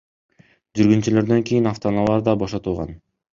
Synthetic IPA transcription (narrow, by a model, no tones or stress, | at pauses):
d͡ʒyɾɡynt͡ʃylø̞ɾd̪ø̞ŋkʲijinɑft̪onɑlˠɑɾd̪ɑboʃɑt̪ulˠʁɑ̰n